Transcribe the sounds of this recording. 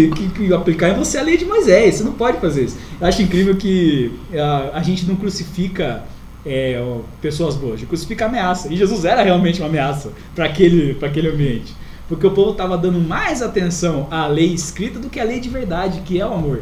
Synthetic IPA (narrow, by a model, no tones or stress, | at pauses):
kɪkɪaplikaɾẽj̃voseɐlejd͡ʒɪmojzɛjsenɐ̃w̃pɔd͡ʒɪfazeɾisʊ̥ewaʃʊĩkɾivewkɪaːʒẽnt͡ʃɪnɐ̃w̃kɾusifikɐ | ɛpesoɐzb̪oɐʒɪkɾusi̥fikɐameasɐɪʒezuzɛɾɐheawmẽnt͡ʃɪũɐameasɐ | pɾɐkelɪpɾak̬elɪɐ̃mbiẽnt͡ʃɪ̥ | poɾkeʊpovʊt̪avɐd̪ɐ̃nd̪ʊmajzat̪ẽsɐ̃w̃alejɪskɾit̪ɐd̪ʊkɪalejd͡ʒɪveɾd̪ad͡ʒɪkɪɛʊamoɾ